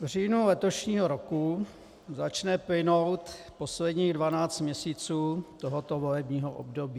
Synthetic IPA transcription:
vr̝iːnulɛt̪o̞ʃɲiːɦoɾoku | zat͡ʃnɛplɪnowt̪ | poslɛdɲiːɣdvanaːt͡st̪mɲɛsiːt͡suːt̪oɦot̪ovolɛbɲiːɦoʔo̰bdobiː

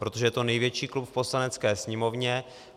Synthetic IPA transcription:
pɾot̪o̞ʒɛjɛt̪onɛjvjɛt͡ʃiːklupfpo̞slanɛt͡skɛːsɲɛmo̞vɲɛ

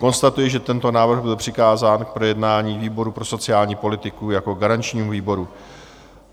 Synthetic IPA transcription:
ko̞nst̪at̪ujɪʒɛt̪ɛnt̪o̞naːvr̩ɣbɪlpr̝̥ɪkaːzaːnk̚pɾo̞jɛdnaːɲiːviːbo̞ɾupɾo̞so̞t͡sɪjaːlɲiːpo̞lɪt̪ɪkujako̞ɡaɾant͡ʃɲiːmviːbo̞ɾu

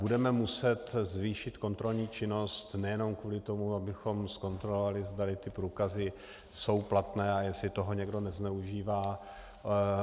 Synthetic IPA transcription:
budɛmɛmusɛt̪zviːʃɪt̪ko̞nt̪ɾo̞lɲiːt͡ʃɪno̞st̪nɛjɛno̞mkvuːlɪt̪o̞muabɪxo̞msko̞nt̪ɾo̞lovalɪzd̪alɪt̪ɪpɾuːkazɪ | so̞wplat̪nɛːajɛsɪt̪o̞ɦo̞ɲɛɡdo̞nɛznɛuʒiːvaː

